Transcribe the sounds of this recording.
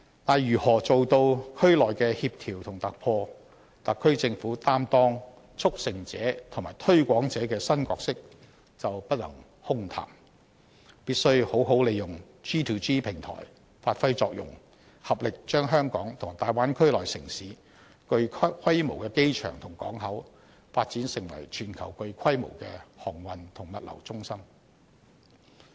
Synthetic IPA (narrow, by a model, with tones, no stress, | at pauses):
t̪aː˨nɥyː˨˩hɔː˨˩t͡so˨wt̪o˧wkʰɵ˥ɥlɔː˨jkɛː˧hiː˧p̚t̪ʰiː˨˩wt̪ʰʊ˨˩ŋt̪ɐ˨k̚pʰɔː˧ | t̪ɐ˨kʰːɵ˥ɥt͡sɪ˧ŋfuː˨˥t̪aː˥mt̪ɔː˥ŋ | t͡sʰʊ˥k̚sɪ˨ŋt͡sɛ̰ː˨˥t̪ʰʊ˨ŋmaː˨˩jt̪ʰɵ˥ɥkʷɔː˨˥ŋt͡sɛː˨˥kɛː˧sɐ˥nkɔː˧k̚sɪ˥k̚ | t͡sɐ˨wpɐ˥t̚lɐ̰˨˩ŋ | hʊ˥ŋt̪ʰa̰ː˨˩m | piː˥t̚sɵ˥ɥho˨˥wɦo˨˥wle˨˧jʊ˨˩ŋ | t͡ʃiː˥t̪ʰuː˨t͡ʃiː˥pʰɪ˨˩ŋt̪ʰɔ̰ː˨˩j | faː˧t̚fɐ˥jt͡sɔː˧k̚jʊ̰˨˩ŋ | hɐ˨p̚lɪ˨k̚t͡ʃœː˥ŋɦœː˥ŋkɔː˨˥ŋt̪ʰʊ˨˩˨t̪aː˨˧jwaː˨˥nkʰɵ˥ɥlɔː˨jsɪ˨˩ŋsiː˨˥˦ | kɵ˧ɥkʰkʰɐ˥jmo˨˩wkɛː˧ke˥jt͡ʃʰœ̰ː˨˩ŋt̪ʰʊ˨˩ŋkɔ̰ː˨˥ŋɦɐ˨˥w | faː˧t̚t͡siː˨˥nsɪ˨˩ŋwɐ̰˨˩jt͡ʃʰyː˨˩nkʰɐ˨˩wkɵ˧ɥkʰɐ˥jmo̰˨˩wkɛː˧hɔː˨˩ŋwɐ˨nt̪ʰʊ˨˩ŋmɐ˨t̚lɐ̰˨˩wt͡sʊ˥ŋsɐ˥m